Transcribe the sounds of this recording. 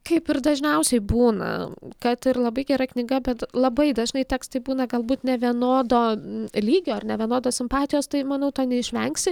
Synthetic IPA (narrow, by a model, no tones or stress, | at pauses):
kɐɪpɪɾd̪ɐʒʲnʲɛʊsʲɛɪbuːnɐ̰kɐt̪ɪrlˠɐbɐɪɡʲɛɾɐknʲɪɡɐbʲɛt̪lˠɐbɐɪd̪ɐʒnɐɪtʲɛːkst̪ɐɪbuːnɐɡɐlˠbuːt̪nʲɛʋʲiɛnoːd̪oːlʲiːɡʲoːɐrnʲɛʋʲiɛnoːd̪oːsʲɪmpɑːt̪ʲɪjoːst̪ɐɪmɐnɐʊt̪oːnʲɛɪʃʲʋʲɛŋksʲɪ